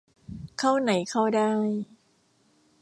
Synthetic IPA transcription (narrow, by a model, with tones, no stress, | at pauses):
kʰa˥˩wna˨˩˦jkʰa˥˩wdaː˥˩j